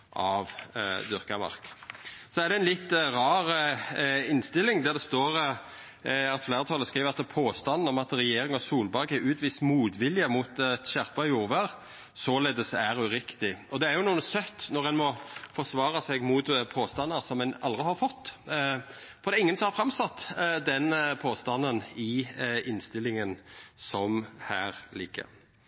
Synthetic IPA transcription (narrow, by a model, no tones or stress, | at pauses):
ʔɑʋd̪ʏʁkɑmɑ̰ʁksɔæʁd̪ɛɪnlɪt̪ːʁɑːʁ | ɪnst̪ɪlːɪŋd̪æʁd̪ɛst̪oːɾ | ɑt̪flæɪɾət̪ʰɑlːəskʁiːʋəɑt̪ːɛpʰoːst̪ɑnːn̩ɔmɑt̪ʁɛjeːɾɪŋɔsuːlbɑɾɡəʉːt̪ʋiːst̪muːt̪ʋɪlːjəmuːt̪t̪ɕæʁpɑjuːʁʋəɾ | sɔleːd̪əsæɾʉɾɪkt̪ɪɔd̪ɛæɾjʊnuːənsœt̪ːnɔʁɛnmɔfɔʂʋɑːɾɑsɛɡmut̪pʰoːst̪ɑnːəɾsɔmɛnɑ̰ld̪ʁɪhɑɾfɔt̪ː | fɔɾd̪ɛæɪŋːənsɔmhɑɾfɾɑmsɑt̪ːd̪ɛnpʰoːst̪ɑnːənɪɪnst̪ɪlːɪŋənsɔmhæːɾlɪɡːə̰ɾ